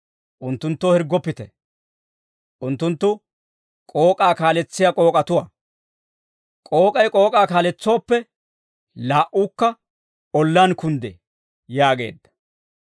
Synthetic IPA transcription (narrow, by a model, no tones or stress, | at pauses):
ʔʊnt̪ːʊnt̪ːoːhɛɾɡːɔpːɪt̪ɛ | ʔʊnt̪ːʊnt̪ːʊ | kʼo̞ːkʼaːkaːlɛt͡sːɪjakʼo̞ːkʼɐt̪ʊwa̰ | kʼo̞ːkʼɐjkʼo̞ːkʼaːkaːlɛt͡sːoːpːɛ | laːʔʊkːɐ | ɔlːaːnkʊnd̪ḛ | jaːɡe̞̰ːd̪ːɐ̥